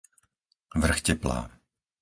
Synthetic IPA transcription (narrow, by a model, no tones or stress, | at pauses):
vr̩xcɛpla̰ː